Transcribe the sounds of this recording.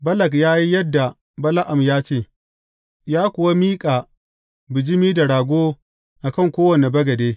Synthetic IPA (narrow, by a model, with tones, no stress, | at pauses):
bɐ˦lɐ˨k̬jaː˦ji˦jɐ˦dːa˨ | bɐ˦la˦ʔa˨mjaː˦t͡ʃeː˦˨ | jaː˦kʷʊ˨wa˦miː˦kʼaː˨ | bɪ˨d͡ʒɪ˦miː˦da˨ɽaː˨ɡʷoː˦ | ʔa˨kɐ˦˨ŋkʷoː˦wɐ˨ne˨bɐ˦ɡɐ˨deː˦